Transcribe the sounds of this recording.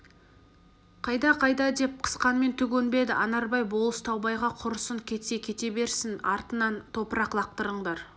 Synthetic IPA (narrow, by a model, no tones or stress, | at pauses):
qʰɑjd̪ɑqʰɑjd̪ɑd̪e̞p̚qʰə̥sqɑnme̞nt̪ʰʏɡʲenbe̞d̪ɪʔɑnɑɾbɑjbo̞lˠəst̪ʰɑwbɑjʁɑqʰʊɾəsəŋkʲʰe̞t̪se̞kʲʰe̞t̪e̞be̞ɾsɪnɑɾt̪ənɑnt̪ʰo̞pəɾɑqlˠɑq̚t̪əɾəɴd̪ɑɾ